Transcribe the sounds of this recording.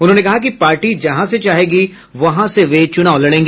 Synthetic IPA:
ʊnɦõːnekɐɦak̬ipaːɾʈid͡ʒɐɦãset͡ʃaːɦeːɡi | ʋɐɦãseʋet͡ʃʊnaːolɐɽẽːŋɡeː

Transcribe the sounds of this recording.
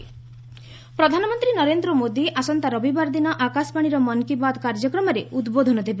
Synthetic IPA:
pɾɔd̪ʱanɔmɔnt̪ɾinɔɾend̪ɾɔmod̪iʔasɔnt̪aɾɔbibaɾd̪inɔʔakaspaɽ̃iɾɔmɔnkibad̪kaɾd͡ʒɔkɾɔmɔɾeud̪bod̪ʱɔnɔd̪ʱebe

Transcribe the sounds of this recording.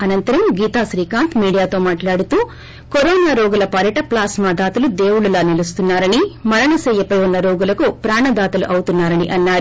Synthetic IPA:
ɐnɐnt̪ɐɾɐmɡiːt̪aːʃɾiːkaːnt̪ʰmiːɽijaːt̪o̞ːmaːʈlaːɽut̪uː | koɾɔːnaːɾoːɡulɐpɐɾɐʈɐplaːsmaːd̪aːt̪ɐlud̪eːwuɽulaːnilust̪unːaːɾɐnimɐɾɐɳɐsɛːjɐpɐjunːɐɾoːɡulɐkupɾaːɳɐd̪aːt̪ɐluʔɐwut̪unːaːɾɐniʔɐnːaːɾu

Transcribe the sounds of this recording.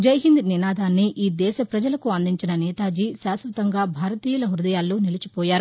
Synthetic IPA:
d͡ʒɐjɦind̪ninaːd̪ʱaːnːiʔiːd̪ɛːʃɐpɾɐd͡ʒɐlɐkuɐnd̪iɲt͡ʃinɐnɛːt̪aːd͡ʒiːʃaːsʋɐt̪ɐŋɡaːbʱaːɾɐt̪iːjɐlɐɦuɾd̪ɐjaːlːoːnilɐt͡ʃipɔːjaːɾu

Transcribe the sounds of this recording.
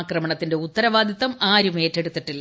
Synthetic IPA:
krɐmɐɳɐt̪ːinde̞ut̪ːɐɾɐʋaːd̪ʱjɐt̪ːɐmaːɾume̞ːtːe̞ɽut̪ːiʈːilːɐ

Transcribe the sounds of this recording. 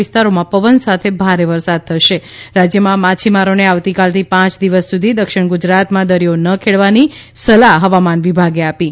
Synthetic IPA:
ɪst̪aɾomãpəʋənsat̪ʰebʱaɾeʋəɾsad̪̚t̪ʰəʃeɾad͡ʒjəmãmat͡ʃʰimaɾoneaʋt̪ikalt̪ʰipãt͡ʃd̪iʋəsːud̪ʱid̪əkʃɪɽ̃ɡud͡ʒɾat̪mãd̪əɾijonəkʰeɭʋani | səlaɦɦəʋamanʋibʱaɡeapi

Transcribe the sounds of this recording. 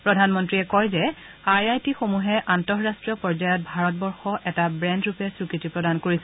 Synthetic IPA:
pɹɔdʱanmɔntɹiɛkɔjzɛ | aɹajtixomuɦɛʔantɔɹɹastɹijɔpɔɹzajɔt̚bʱaɹɔt̚bɔɹxɔʔɛtabɹɛndɹupɛsɹukɹitipɹɔdankoɹisɛ

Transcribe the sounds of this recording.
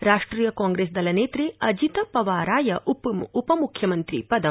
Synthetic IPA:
ɾaːʂʈɾiːjɐkaːŋɡɾeːsd̪ɐlɐneːt̪ɾeɐd͡ʒit̪ɐpɐʋaːɾaːjɐʔupupɐmukʰjɐmɐnt̪ɾḭpɐd̪ɐ

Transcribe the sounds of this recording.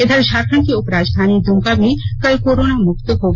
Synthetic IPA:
ed̪ʱaɾʃaɾkʰɾankiopɾad͡ʒd̪ʱanid̪umkabikəjkoɾonamukt̪oɦob

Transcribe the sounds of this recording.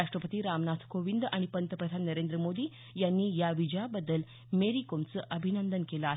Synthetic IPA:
aʂʈɾəpət̪iːɾamnat̪ʰkoʋind̪a̰ɽ̃ipənt̪əpɾəd̪ʱanːəɾend̪ɾəmod̪iː | janːiːjaʋid͡ʑjabəd̪ːəl | meɾikomt͡səʔəbʱinənd̪ənkelaːɦ

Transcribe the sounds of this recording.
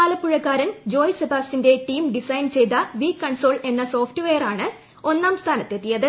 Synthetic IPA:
aːlɐpːuɻɐkːaːɾɐnd͡ʑo̞ːjsɐbʱaːssinde̞ʈiːmɖisɐjnt͡ɕe̞jt̪ɐʋiːkːɐɳso̞ːɭe̞nːɐso̞ːfʈɨʋe̞jɐraːɳɨ | o̞nːaːmst̪ʰaːnɐt̪ːet̪ːijɐðɨ

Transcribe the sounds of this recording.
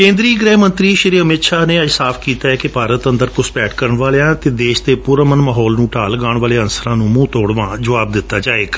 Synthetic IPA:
kẽːnd̪ɾiːɡɾɛːɦmə̃nt̪ɾiːʃɪɾiːəmɪt̪ʃaːneːəsaːpʰkiːt̪aːɛːkɪpaːɾət̪ə̃nd̪əɾkʊspɛːʈʰkəɾəɳʋaːleãːt̪eːd̪eːʃt̪eːpuːɾəmənmaːɦɔːlnũːʈaːlɡaːɳʋaːleːənsəɾãːnũːmũːt̪oːɽʋãːd͡ʒəʋaːb̚d̪ɪt̪ːaːd͡ʒaːeːɡ

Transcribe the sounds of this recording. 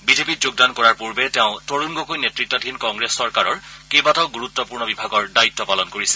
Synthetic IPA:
bizepitzoɡ̚dankɔɹaɹpuɹbɛtɛʊ̃toɹunɡokojnetɹitːɔdʱinkɔŋɡɹesːɔɹkaɹɔɹkebataʊɡuɹutːɔpuɹnɔbibʱaɡɔɹdaitːɔpalɔnkoɹisɛ

